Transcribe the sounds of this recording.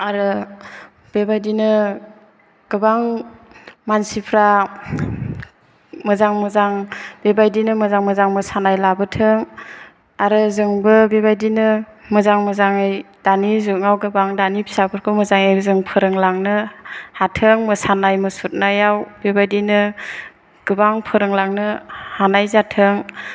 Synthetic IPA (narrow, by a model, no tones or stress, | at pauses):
aɾɯ | b̥ebajdinɯ | ɡ̥ɯbaŋ | mansipʰɾa | mɯzaŋmɯzaŋbebajdinɯmɯzaŋmɯzaŋmɯsanajlabɯtʰɯŋ | aɾɯzɯŋbɯbebajdinɯ | mɯzaŋmɯzaŋejd̥anizuŋawɡɯbaŋdanipʰi̥sapʰɯɾkʰɯmɯzaŋejɾzɯŋpʰɯɾɯŋlaŋnɯhatʰɯŋmɯsanajmɯsut̚najawbebajdinɯ | ɡ̥ɯbaŋpʰɯɾɯŋlaŋnɯhanajzatʰɯŋ